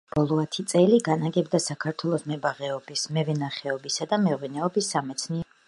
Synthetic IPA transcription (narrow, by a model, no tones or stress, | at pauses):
b̥ɔlˠɔat̪ʰit̪sʼɛliɡanaɡɛbd̪asakʰaɾt̪ʰwɛlˠɔsmɛbaʁɛɔbismɛvɛnaχɛɔbisad̪amɛʁwinɛɔbisːamɛt̪sʰniɛ